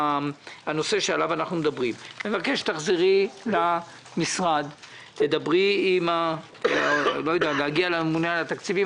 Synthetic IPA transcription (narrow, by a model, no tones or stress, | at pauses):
ano̞se̞ʃealavanaχnumed̪abʁimmevake̞ʃt̪aχziʁila | misʁad̪ | t̪ed̪abʁiima | lojod̪ealeaɡialamemunealat̪akt͡sivi